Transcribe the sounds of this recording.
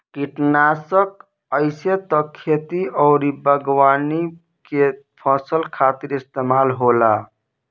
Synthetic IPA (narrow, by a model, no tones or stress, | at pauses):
kiʈnasək | əɪset̪əkʰːet̪iɔʊɾibəɡwani | ke | pʰəsəlkʰat̪iɾist̪emalɦola